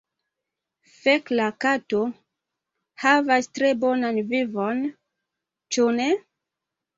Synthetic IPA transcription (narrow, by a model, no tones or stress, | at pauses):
feklakato | havastɾebonanvivon | t͡ʃune